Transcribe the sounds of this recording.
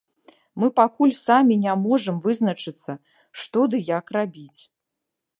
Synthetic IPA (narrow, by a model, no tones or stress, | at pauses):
mɨpakulʲsamʲinʲamɔʐɨmvɨznɐt͡ʂɨt̪sːɐ | ʂt̪ɔd̪ɨjakrabʲit͡sʲ